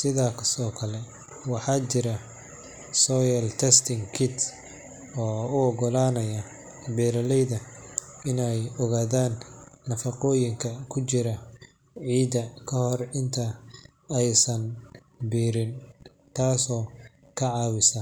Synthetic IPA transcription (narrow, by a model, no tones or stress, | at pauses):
sɪðaːkʰɐst̪ɔːkʰɐlɛ | wɑħɑːt͡ʃɪɾɐ | sɔːjɐlt̪ʰɛst̪ɪŋkʰɪt̪ | ɔːʊɔɡɔlaːnɐjɐ | bɛːɾɐlɛjðɐ | ɪnɛjɔɣaːðaːnːɐfɑqɔːjɪŋkʰɐkʰʊt͡ʃɪɾɐ | ʕiːd̪ɐkʰɐhɔrɪnt̪ʰɐ | ɛjsɐn | biːɾɪn | t̪ʰaːsɔː | kʰɐʕɑːwɪsɐ